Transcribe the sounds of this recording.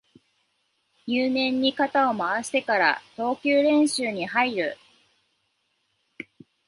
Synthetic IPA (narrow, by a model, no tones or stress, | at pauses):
jɨːnẽ̞ɲ̟ːikat̪ao̞maβaɕi̥t̪e̞kaɾa̰t̪o̞ːkʲɨːɾẽ̞ɰ̃ɕɨːɲ̟iɦaiɾɯ̟